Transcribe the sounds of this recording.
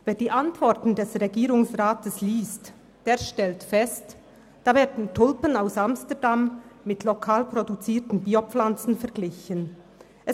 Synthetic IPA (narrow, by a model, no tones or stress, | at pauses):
veːɐdiːʔantv̥ɔʁtn̩dɛsʁeɡiːʁʊŋsʁaːtʰəsliːst | d̥eːɐʃtɛltfɛst | d̥aːveːɐdn̩tʰʊlpənaʊsamstədamːɪtʰlokʰaːlpʁ̥odut͡siːɐtn̩biːopp͡flant͡sn̩fɛɐɡlɪçən | ʔɛ